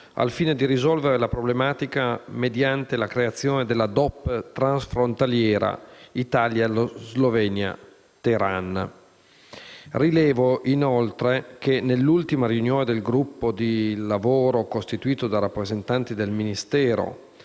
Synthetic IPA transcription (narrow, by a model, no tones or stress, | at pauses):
a̰lfiːned̪iɾizɔlveɾelapɾoblemaːt̪ikamed̪jant̪elakɾeat̪sːjoːned̪elːad̪ɔpːt̪ɾansfɾont̪aljɛːɾa̰it̪aːljaelozlovɛːnja̰ | t̪eɾanːa̰ | rilɛːvoʔinolt̪ɾekenelːult̪imaɾiunjoːned̪elɡɾupːod̪ilavoːɾokost̪it̪uiːt̪od̪aɾapːɾezent̪ant̪id̪elminist̪ɛːɾo̰